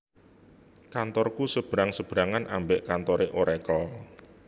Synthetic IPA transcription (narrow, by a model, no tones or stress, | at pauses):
kant̪ɔrkusəb̥əɾaŋsəb̥əɾaŋanʔambeʔkant̪ɔɾeʔoɾɛkɔ